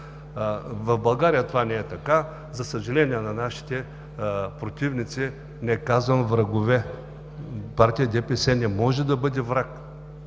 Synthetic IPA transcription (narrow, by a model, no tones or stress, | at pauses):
vɐfbɐlˠɡaɾijɐt̪ovanɛɛt̪ɐka | zɐsɐʒɐlɛnijɛnɐnaʃi̥t̪ɛ | pɾot̪ʲivnit̪si | nɛkazvɐmvɾɐɡovɛ | paɾt̪ʲijəd̪ɛpɛsɛnɛmɔʒɛd̪ɐbɤd̪ʲɛvɾak